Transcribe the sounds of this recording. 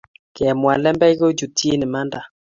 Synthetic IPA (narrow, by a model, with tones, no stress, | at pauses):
kɛ˨mwa˨lɛ˦mbɛ˦ɣo˦d͡ʒu˨tʰi˦e˦nɪ˨ma˦nda˨